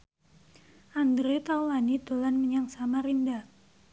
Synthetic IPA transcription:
ʔand̪ɾet̪auwanid̪̥olanməɲaŋsamaɾinda

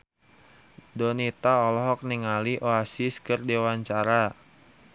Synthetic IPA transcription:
dɔnit̪aɔlɔɦɔk̚niŋaliʔoasiskɨrdewaɲt͡ʃaɾa

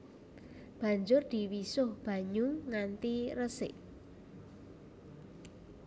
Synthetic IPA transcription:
b̥ä̤ɲd͡ʒʊrd̪̥iwisʊhb̥a̤ɲʊŋŋant̪irəsɪ̰ʔ

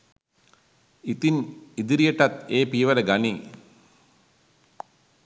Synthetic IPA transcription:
it̪inid̪iɾijəʈat̪eːpiʋələɡaniː

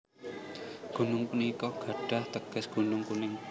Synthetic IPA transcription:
ɡ̥ṳnʊŋkunikɔɡ̥a̤ɖ̥a̤ht̪əɡ̥ə̤sɡ̥ṳnʊŋkunɪŋ

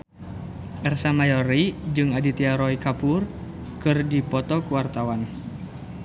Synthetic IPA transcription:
ʔɛrsamajoɾid͡ʒɨŋadit̪iaɾɔikapʊr | kɨrdipɔt̪ɔkuwart̪awan

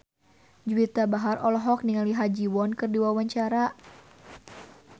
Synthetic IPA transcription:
d͡ʒuwit̪abaɦarʔɔlɔɦɔk̚niŋaliɦad͡ʒiwɔnkɨrdiwawaɲt͡ʃaɾa

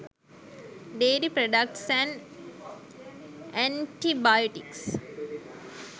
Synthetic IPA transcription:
ɖeːlipɾoɖak̚ʈsæ̃n | æ̃ɳʈibajoʈiks

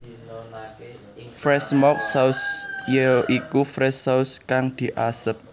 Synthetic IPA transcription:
fɾɛsmɔk̚sausjeʔikufɾɛsauskaŋd̪̥i̤ʔasəp̚

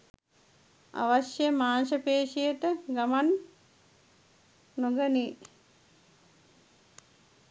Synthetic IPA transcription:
a̰ʋaʃjəmaːnʃəpeːʃijəʈəɡaman | oɡəni

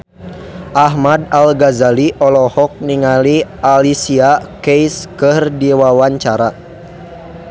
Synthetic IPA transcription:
ʔaɦmadalɡazaliʔɔlɔhɔk̚niŋalialisiakejskɨrdiwawaɲt͡ʃaɾa

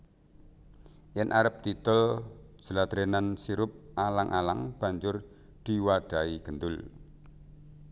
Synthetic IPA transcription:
jɛnʔaɾəp̚t̪it̪ɔl̥d͡ʒ̥əlad̪̥ɾenansiɾʊp̚alaŋʔalaŋb̥a̤ɲd͡ʒʊr | d̪̥iwaɖ̥a̤iɡ̥ənd̪ʊl

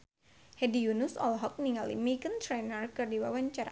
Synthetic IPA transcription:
hɛdijunusɔ̰lɦɔk̚niŋalḭmiɡənt̪ɾɛnərkɨrdiwawaɲt͡ʃaɾa̰

